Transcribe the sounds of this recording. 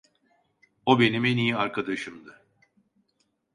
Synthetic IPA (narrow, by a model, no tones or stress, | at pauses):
o̞be̞nimenijiaɾkʰad̪aʃɯmd̪ɯ